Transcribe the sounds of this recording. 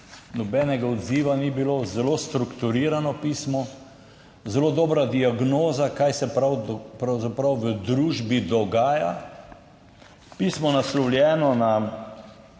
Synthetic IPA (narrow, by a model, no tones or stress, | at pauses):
nɔbɛːnɛɡaɔd̪ziːʋanibilozɛlost̪ɾukt̪uɾiːɾanɔpiːsmɔ | zɛloːd̪ɔːbɾad̪iaɡnoːzakajsɛpɾawpɾawzapɾawʋəd̪ɾuːʒbid̪ɔɡaːja | piːsmɔnaslɔwlʲjɛːnɔna